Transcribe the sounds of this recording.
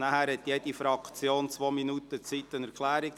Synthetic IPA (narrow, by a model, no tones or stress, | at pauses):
næhæɾɦɛt̪jed̥ifɾɑkt͡sjoːnt͡sʋoːminutət͡sit̪ːənɛɾkʰlæːɾik̚